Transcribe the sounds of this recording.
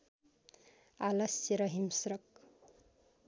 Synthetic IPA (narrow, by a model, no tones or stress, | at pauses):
alʌsjeɾʌɦimsɾʌk̚